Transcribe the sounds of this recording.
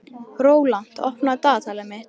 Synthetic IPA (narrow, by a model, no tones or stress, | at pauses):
ɾoːwlan̥t̪ɔ̰hpnat̪aːt̪ʰaːlamɪ